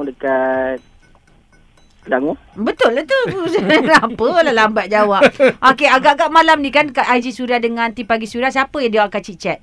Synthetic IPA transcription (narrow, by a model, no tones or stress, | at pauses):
udəkat̪̚ | laŋu | bət̪ʊlːaht̪u | apəlalambat̪̚d͡ʒawap̚ʔokeaɡaʔɡaʔmãlamnikankat̪ajd͡ʒisuɾahdəŋãnt̪ipaɡisuɾias̬apəjadiwakat͡ʃit͡ʃat̪̚